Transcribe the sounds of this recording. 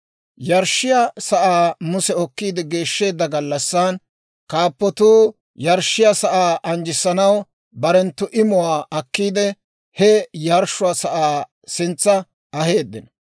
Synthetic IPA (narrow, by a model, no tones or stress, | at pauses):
jɐɾʃːɪjasɐʔaːmʊsɛɔkːiːd̪ɛɡe̞ːʃːe̞ːd̪ːɐɡɐlːɐsːan | kaːpːɔt̪uː | jɐɾʃːɪjɐsɐʔaːʔɐnd͡ʒɪsːɐnɐw | bɐɾɛnt̪ːʊʔɪmʊwaːʔɐkːiːd̪ɛ | hɛjɐɾʃʊwaːsɐʔaː | sɪnt͡sːɐ | ɐhe̞ːd̪ːɪnɐ